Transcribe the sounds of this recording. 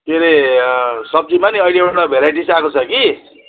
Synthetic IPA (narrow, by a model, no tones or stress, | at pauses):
meɾe | sʌb̚d͡zimaniʌjleɽabʱeɾaʈisakot͡sʰʌki